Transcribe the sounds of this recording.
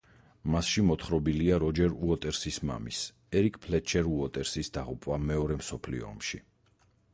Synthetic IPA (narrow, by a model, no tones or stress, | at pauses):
masʃimɔt̪ʰχɾɔbiliaɾɔd͡ʒɛɾuɔt̪ʼɛɾsisma̰mis | ɛɾikʼpʰlɛt͡ʃʰɛɾuɔt̪ʼɛɾsisd̪aʁupʼwamɛɔɾɛmsɔpʰlḭɔ̰ːmʃi